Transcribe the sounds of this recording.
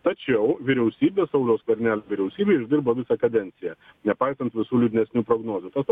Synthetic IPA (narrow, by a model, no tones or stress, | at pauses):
t̪ɐt͡ʃʲɛʊʋʲɪɾʲɛʊsʲiːbʲeːsɐʊlʲoːskɐɾʲnʲæːlʲːʋʲɪɾʲɛʊsʲiːbʲeːɪʒʲd̪ʲɪɾbɐʋʲɪsʲɛkɐd̪ʲɛnʲt̪sʲɪjɛ | nʲɛpɐɪsɐnt̪ʋʲɪsuːlʲʊd̪ʲɪnʲɛsʲnʲuːpɾoːɡnoːzʲuːt̪ɐsp